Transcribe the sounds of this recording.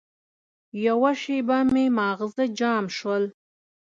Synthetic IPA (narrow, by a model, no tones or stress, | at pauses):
jawaʃebamemɑːɣzəd͡ʒɑːmʃwəl